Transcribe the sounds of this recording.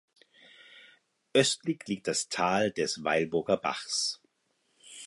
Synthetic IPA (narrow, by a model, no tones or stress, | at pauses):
ʔœstʰlɪçliːk̚td̥astʰaːldɛsva̰ɪlbʊɐɡɐba̰χs